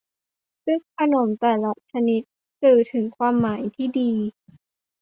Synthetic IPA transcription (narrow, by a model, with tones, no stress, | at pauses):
sɯ˥˩kʰa˧no˩˦mt̪ɛː˨˩la˦˥t͡ɕʰa˧ni˦˥t̪̚ | sɯː˨˩t̪ʰɯ˩˦ŋkʰwaː˧mːaː˩˦jt̪ʰiː˥˩diː˧